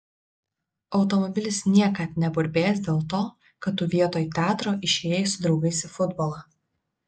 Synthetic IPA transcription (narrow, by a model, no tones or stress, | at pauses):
ɒʊt̪ɔmɔbʲɪlʲɪsnʲiɛkɐt̪nʲɛbʊɾʲbʲeːjɛsd̪ʲeːlˠt̪oː | kɐt̪ːuːʋʲiɛt̪oːjt̪ʲæːt̪ɾoːʔɪʃʲeːjɪsʊd̪ɾɒʊɡɐɪsɪfʊd̪bɔlˠɐ